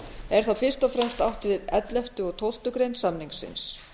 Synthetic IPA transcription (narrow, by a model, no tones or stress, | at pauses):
ɛɾ̥θawfɪr̥st̪ɔfɾɛmst̪awht̪vɪðɛt̪lɛft̪ʏɔɣt̪ʰowl̥t̪ʏkɾejnsamniŋksɪ̰ns